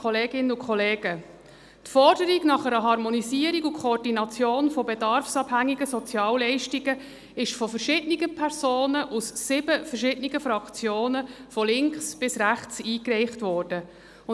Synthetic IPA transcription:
ɔleːɡɪnəʊkχɔleːɡə | tfɔɾd̥əɾiɡnɑχɛɾəɦɑɾmɔnisiəɾiɡʊkʰɔːrdinɑt͡sjoːnfɔbedɑɾfsɑb̥hæŋːiɡəsɔt͡sjɑːllɛɪʃtiɡə | ɪʃfɔfəɾʃɪdniɡəpʰɛɾzoːnəʔusːɪb̥əfərʃɪdniɡəfɾɑkt͡sjoːnəfɔlɪŋksb̥ɪsræχt͡siːkrɛɪχtvɔːɾd̥ə | ʊ

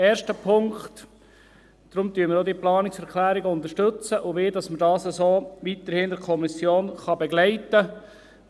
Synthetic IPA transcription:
ɛːɾʃtəpʰʊŋkt | d̥ɾʊmt̪yːəmɪɾoːdiːəplɑːnɪksɛɾkʰlæːɾɪɡəʊnt̪əɾʃtɵt͡səʔʊʋɪːdɑsmədɑːsəsoːʋit̪əɾhɪndɛɾkʰɔmisjoːnχɑbɛɡlæɪtə

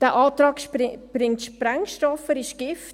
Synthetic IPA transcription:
d̥æʔɑːtɾɑːkʃb̥ɾɪŋtʃpɾæŋʃtɔfəɾɪʃɡ̥ɪft

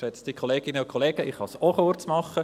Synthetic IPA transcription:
ʃɛt͡stikχoleːɡ̥ɪnəʊkʰoleːɡ̥əʔiχhɑsoχʊrt͡smɑχːə

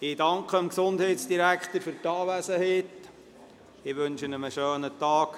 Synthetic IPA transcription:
ɪd̥ɑŋkχəəmksʊndhɛɪtsd̥iɾækχt̪əɾfʏɾtɑːʋæsəɦeːt̪ | ɪʋɵnʃənəməʃøːnət̪ɑːk

